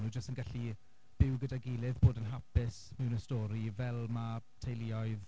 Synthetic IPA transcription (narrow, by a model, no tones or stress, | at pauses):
nud͡ʒəstənɡaɬi | b̥ɪwɡədaɡɪlˠɪðboːdənɦapɪsmɪwnəstɔːɾivɛlˠmatʰejliɔjð